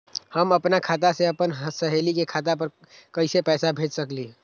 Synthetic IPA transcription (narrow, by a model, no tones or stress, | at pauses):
həmɐpnakʰaːt̪̬aseɐpənɦəsəɦeːlikekʰaːt̪̬ap̬əɾ | kəɪsepɛːsabʱeːd͡ʒsəkliː